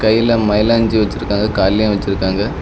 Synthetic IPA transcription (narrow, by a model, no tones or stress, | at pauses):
kɐjːɪlɐmɐɪlaːɲd͡ʒiʋɐt͡ʃːɪɾɯkːaːŋɡɐkaːljãːʋɐt͡ʃːɪɾɯkːaːŋɡɐ